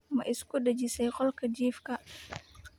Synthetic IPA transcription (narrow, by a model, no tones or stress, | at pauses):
mɐʔɪskʊdɐd͡ʒisɛjqɔlkʰɐd͡ʒiːfkʰɐ